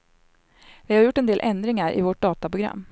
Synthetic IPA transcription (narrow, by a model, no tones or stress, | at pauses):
vɪhaɾjʊʈːɛnd̪eːlʔɛnd̪ɾɪŋaɾʔɪ̰vɔʈ̚ɖ̪ɑːt̪apɾʊɡɾa̰mː